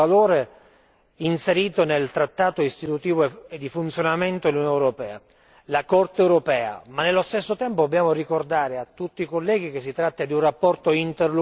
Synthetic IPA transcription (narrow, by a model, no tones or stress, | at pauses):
aloːɾe | inseɾiːt̪onelt̪ɾat̪ːaːt̪oist̪it̪ut̪iːvoed̪ːifunt̪sjonament̪od̪elːunijɔneuɾopɛːa̰ | lakɔrt̪eɛːwɾopɛːa̰manːelːost̪esːot̪ɛmpod̪obːjaːmorikord̪aːɾeat̪ːut̪ːiːkolːɛːɡik̟esːit̪ɾat̪ːad̪iunrapːɔrt̪oint̪erl